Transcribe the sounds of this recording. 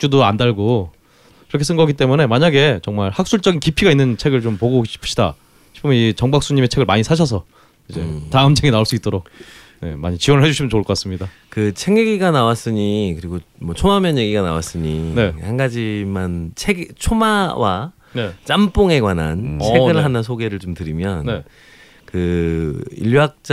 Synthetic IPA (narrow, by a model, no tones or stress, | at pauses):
t͡ɕ͈udoandaɭɡo | iɾʌkʰe̞s̬͈ʰɯnɡʌɡit͈emune̞maɲaɡe̞t͡ɕʌŋmaɭhak̚s͈uɭt͡ɕ͈ʌɡinkipʰiɡainːɯnt͡ɕʰe̞ɡɯɭt͡ɕompoɡoɕʰi̥pʰɯ̥ɕʰi̥da̰ | ɕʰi̥pʰomnit͡ɕʌŋbak̚s͈uɲime̞t͡ɕʰe̞ɡɯɭmaɲisʰaɕ̬ʰʌs̬ʰʌ | id͡ʑḛtaɯmt͡ɕʰeɡinaoɭs͈uit͈oɾok̚ | ne̞̰ma̰ɲit͡ɕiwʌnɯɭɦed͡ʑuɕʰimjʌnt͡ɕoɭk͈ʌk͈as͈ɯmɲida | kɯt͡ɕʰe̞ŋjeɡiɡanawas͈ɯɲikɯɾiɡo | mwʌt͡ɕʰomamjʌnje̞ɡiɡanawa̰s͈ɯɲinehanɡad͡ʑimant͡ɕʰeɡt͡ɕʰomawa̰ | net͡ɕ͈amp͈oŋe̞ɡwanant͡ɕʰe̞ɡɯɭɦanas̬ʰoɡe̞ɾɯɭt͡ɕomtɯɾimjʌnne | kɯ | ḭʎjak̚t͡ɕ͈